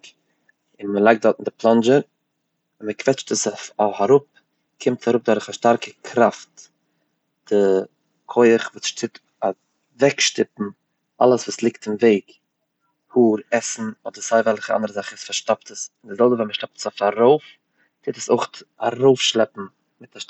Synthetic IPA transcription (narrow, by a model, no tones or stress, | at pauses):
ɪnməlˠaɪk̚dɔɾtɪn̩dɪplˠɔnd͡ʒəɾ | ɪnməkvɛt͡ʃtəsaɾʊp̚ | kʰɪmtaɾʊp̚dɔɾəχaʃtaɾkəkʰɾaft | d̥ɪ | kʰoɪəχvuːsʃtʰɪt | a | vɛkʃtɪpm̩ | ʔa̰lˠəsvuːslˠɪktɪmveɪk | huːɾɛsn̩ɔdəɾzaɪvɛlˠχəʔa̰ndəɾəzaχəɛsfaɾʃtap̚təsɪndɪzɛlˠbəvɛlməʃtap̚tə̥safaɾoʊf | tʰɪtəsoɪχtaɾoʊfʃlˠɛpm̩ | mɪtʰa